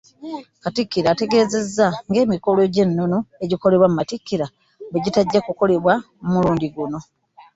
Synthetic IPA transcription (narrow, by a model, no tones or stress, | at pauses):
katikːiɾaːte̞ɡe̞ːze̞zːaŋɡe̞ːmiko̞lo̞ɟe̞nːo̞noe̞ɟiko̞le̞βwamumatikːiɾa | βeɟitaɟːakuko̞le̞βwa | mumuluːndiɡuno̞